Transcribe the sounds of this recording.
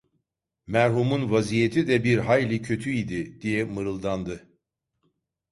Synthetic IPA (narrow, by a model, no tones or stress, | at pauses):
mæɾɦumunvazijet̪ʰid̪ɛbiɾɦajlʲicʰø̞t̪ʰyid̪ɪd̪̥ijɛmɯɾɯlˠd̪and̪ɯ